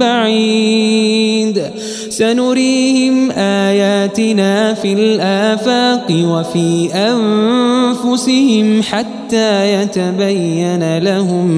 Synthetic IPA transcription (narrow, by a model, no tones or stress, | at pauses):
aʕi | d̪ | sanʊɾiːhɪmʔaːjaːt̪ɪnaːfilʔaːfaːqɨwafiːʔan | fʊsɪhɪmħat̪ːaːjat̪abajːanalahʊm